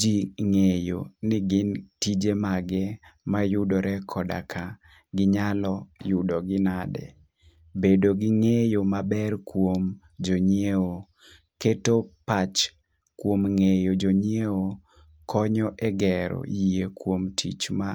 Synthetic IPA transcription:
d͡ʒiŋejo̰nɪɡɪntid͡ʒemaɡɛmajʊdoɾɛkʰɔda̰kʰa | ɡɪɲalɔjʊdɔɡɪnadɛ̰ | bedoɡɪŋejomabɛrkwom | d͡ʒoɲieo | ketopat͡ʃ | kwomŋejod͡ʒoɲieo | kɔɲɔʔɛɡɛɾɔ̰jiekwomtʰḭt͡ʃma

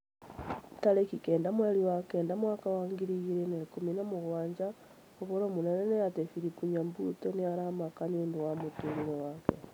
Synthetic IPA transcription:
talekikeːndamweliwakendamwakawaːŋɡiɾiɣiɾenelikuminamuɣwaːɲd͡ʒa | oβoɾoːmunenenejatefiɾikuɲambutoneaɾamakanenduwamutuɾiɾewakḛ

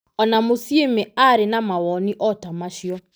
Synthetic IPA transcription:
ɔnamosjemeaɾenamawɔniʔɔtamaʃjɔ

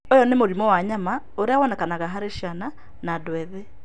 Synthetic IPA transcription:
ojɔnemoɾimɔwaɲama | oɾeawɔnɛkanaɣaɦaɾeʃiana | nadwɛðɛ

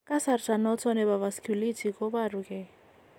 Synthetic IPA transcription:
kʼasartanɔt͡sʰɔnɛbavaskʰulitʰikobarukɛ

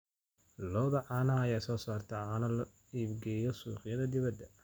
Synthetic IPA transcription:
lɔːðɐʕaːnɐɐjaːsɔːsaːrt̪ʰɐanɐl | iːbɡɛːjɔsṵːqjɐðɐd̪ɪβɐd̪ɐ

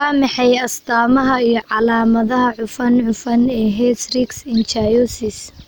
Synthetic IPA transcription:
aːmɑħɛjɐsd̪aːmɐɦɐijɞʕɑlaːmɐðɐɦɐʕʊfɐnʕʊfɐnɛːɦɛsrɪɡsɪnt͡ʃajɔsɪs

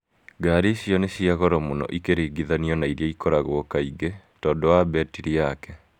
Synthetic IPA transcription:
ɡaːɾiɕjɔneɕiaɣɔɾɔmonɔ̰ʔikeɾeːɡiðaniɔnaiɾiaikɔɾaɣwkaiɡe | tɔːndɔwabɛtiɾiakɛ

